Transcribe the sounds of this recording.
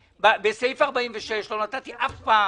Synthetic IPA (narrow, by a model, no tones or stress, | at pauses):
babesejfaʁbaiɱveʃeʃlo̞nat̪at̪iʔafpaː